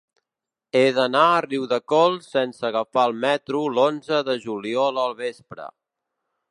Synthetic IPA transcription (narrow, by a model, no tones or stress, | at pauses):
eðənaəriwðəkɔlˠsɛnsəɣəfaəlˠmɛt̪ɾulonzəðəʒuliɔləlˠβespɾə̰